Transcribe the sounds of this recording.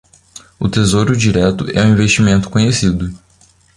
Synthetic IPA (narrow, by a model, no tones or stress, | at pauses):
ʊt̪ezoɾʊd͡ʒiɾɛt̪ʊʔɛũĩveʃt͡ʃimẽnt̪ʊ̥kõɲesid̪ʊ